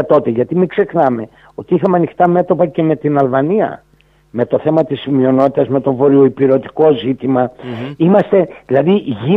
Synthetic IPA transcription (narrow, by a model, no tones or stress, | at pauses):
t̪o̞t̪eʝɐt̪imikse̞xnɐme̞ | o̞t̪iixɐmeɐnixt̪ɐme̞t̪o̞pɐce̞me̞t̪inɐlvɐniɐ̰ | me̞t̪o̞θe̞mɐt̪ismio̞no̞t̪it̪ɐzme̞t̪o̞vo̞ɾio̞ipiɾo̞t̪i̥ko̞zit̪imɐimɐst̪e̞ðilɐðiʝi